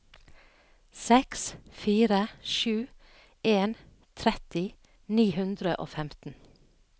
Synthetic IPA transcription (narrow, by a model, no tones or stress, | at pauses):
sɛksfiːɾəʃʉː | ʔeːn | t̪ʰɾɛt̪ɪ | niːhʉnd̪ɾəʔo̰ːfɛmt̪n̩